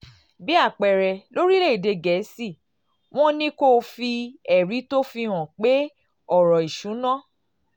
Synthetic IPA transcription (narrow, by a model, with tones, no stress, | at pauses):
bi˦a˦˨k͡pɛ˨ɾɛ˨lo˦ɾi˦le˦i˦˨de˧ɡɛ˨˦si˦˨ | w̃ɔ̃˦nĩ˦ko˦˨fi˧ɛ˨ɾi˨˦to˦fi˧w̃ɔ̃˨k͡pe˦ | ɔ˦˨ɾɔ˨i˨ʃũ˨˦nã˦˨